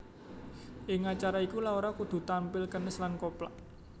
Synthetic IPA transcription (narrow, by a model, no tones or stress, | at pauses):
ʔɪŋat͡ʃaɾaikulaoɾakud̪̥ṳt̪ampɪlkənəslankoplaʔ